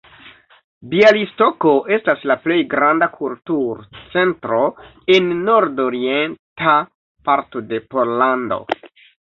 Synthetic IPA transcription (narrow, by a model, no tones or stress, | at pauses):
bialisto̞ko̞ʔe̞staslaple̞jɡɾandakʰultuɾt͡se̞ntɾo̞ | enːo̞ɾdoɾie̞nta | paɾto̞de̞po̞ɾlando̞̰